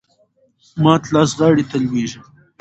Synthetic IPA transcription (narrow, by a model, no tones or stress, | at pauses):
mɑːt̪lɑːsʁɑːɽit̪alwiʒi